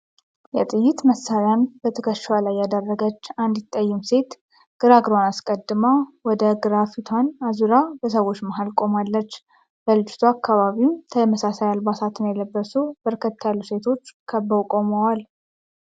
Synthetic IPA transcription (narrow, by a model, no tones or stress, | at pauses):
jɛt̪ʼɨjːɪt̪məsːaɾanbət̪ʰəkʰəʃwalajːad̪ərːəɡət͡ʃːand̪jɪt̪ʼːəjːɪmse̞t̪ | ɡ̥ɨɾaɡɾoanaskʼəd̪ːɨmawɔd̪əɡɨɾafit̪ʰanazuɾabəsəwo̞t͡ʃːməɦalkʼo̞malːət͡ʃː | bəlɨt͡ʃʼːɪ̥t̪ʰuakːaβaβimt̪ʰəjɛməsasajalbasat̪ʰɨnjɛləbːəsubəɾkʰət̪ʰːajalːuse̞t̪ʰo̞t͡ʃːkʰəbəwkʼo̞məwal